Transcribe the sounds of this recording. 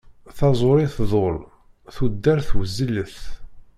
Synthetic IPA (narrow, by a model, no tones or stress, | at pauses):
θɑzˤoɾiθðˤol | θud̪ːæɾθwəzːələθ